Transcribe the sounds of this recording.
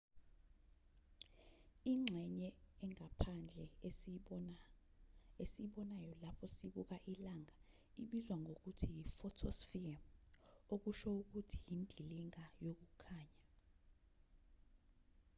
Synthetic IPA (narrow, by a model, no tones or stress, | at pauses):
iŋ͡ǁʱɛɲɛɛŋapʰand͡ɮʱɛ | esiɓɔnajɔlapʰɔsiɓuk̬aʔilaŋʱa | iɓizwaŋɡʱok̬utʰijifɔtʰɔsfia | ok̬uʃɔuk̬utʰijindʱiliŋajok̬ukʰaːɲa